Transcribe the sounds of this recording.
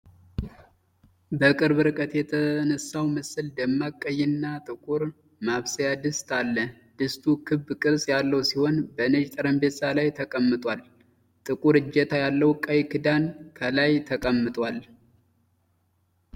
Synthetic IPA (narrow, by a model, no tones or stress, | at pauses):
bəkʼɨɾβɨɾkʼət̪jɛt̪ʰənəsːawməsɨld̪əmːakʼːəjːɪnːat̪ʼɨkʼuɾ | maβsəjad̪ɨst̪ʰalːə | d̪̥ɨst̪ʰukʰɨbːkʼɨɾsʼjalːəwsiho̞nbənɨd͡ʒt̪ʼəɾəmbe̞salajt̪ʰəkʼəmːɨt̪ʼwal | t̪ʼɨkʼuɾɨd͡ʒːɛt̪ʰajalːəwkʼəjkʰɨd̪ankʰəlajt̪ʰəkʼəmːɨt̪ʼwal